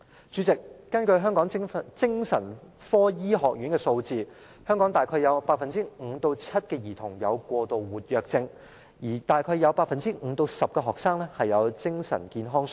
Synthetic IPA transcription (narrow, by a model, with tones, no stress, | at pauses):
t͡ʃyː˨˥t͡sɪ˨kːɐ˥nkɵ˧ɥɦœː˥ŋkɔː˨˥ŋ˥t͡sɪ˥ŋsɐ̰˨˩n | fɔː˥jiː˥ɦɔː˨k̚ɥyː˨˥nkɛː˧so˧wt͡siː˧ | hœː˥ŋkɔ˨˥ŋt̪aː˨jkʰɔː˧jɐ˨˧wpaː˧t̚fɐ˨nt͡siː˥ŋ̩˨˧t̪o˧wt͡sʰɐ˥t̚kɛː˧jiː˨˩t̪ʰʊ˨˩ŋjɐ˨˧wkʷɔː˧t̪o˨wwuː˨˩t̚jœː˨k̚t͡sɪ˧ŋ | jiː˨˩t̪aː˨˩jkʰɔː˧jɐ˨˧wpaː˧t̚fɐ˨nt͡siː˥ŋ̩˨˧˦t̪o˧wsɐ˨p̚kɛː˧ɦɔː˨k̚saː˥ŋlɛː˥hɐ˨jjɐ˨˧wt͡sɪ˥ŋsɐ̰˨˩nkiː˨˧nɦɔː˥ŋs